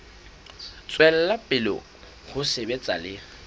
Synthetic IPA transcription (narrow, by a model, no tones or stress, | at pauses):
t͡sʼwɛl̩lapʼɪlɔ̰ | χʊsebet͡sʼa̰lɪ